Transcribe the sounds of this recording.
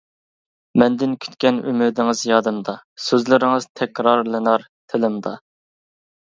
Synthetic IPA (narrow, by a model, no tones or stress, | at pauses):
mɛnd̪ɪnkʲʰy̥t̪kʲɛny̰mɪd̪ɪŋɨzjɑd̪ɨmd̪ɑsøzlɪɾɪŋɨz̥t̪ʰɛkʲɾɑɾlˠɨnɑɾ | t̪ʰɪlɪmd̪ɑ